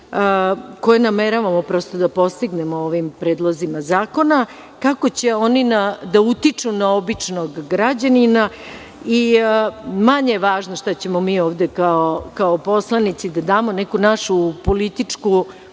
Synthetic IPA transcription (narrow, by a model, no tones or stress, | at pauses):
ko̞jenameɾaʋamo̞pɾo̞st̪o̞d̪apo̞st̪iɡnemooʋimpɾeːd̪lˠozimazaːko̞na | kako̞t͡ɕe̞o̞ninad̪aut̪it͡ʂunaobit͡ʂnoɡːɾad͡ʑanina | i | maɲejeʋaːʒnoʃt̪at͡ɕe̞mo̞miːoːʋd̪e̞kaokaopo̞slˠanit̪sid̪ad̪aːmo̞nekunaʃupo̞lit̪it͡ʂku